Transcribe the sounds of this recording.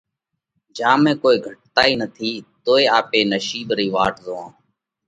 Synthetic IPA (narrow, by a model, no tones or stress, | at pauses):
d͡ʒãːmẽːkoːiːɡʱəʈ̚t̪aːiːnət̪ʰiːt̪oːeːaːpeːnəʃiːbɾiːʋaːʈzoːãː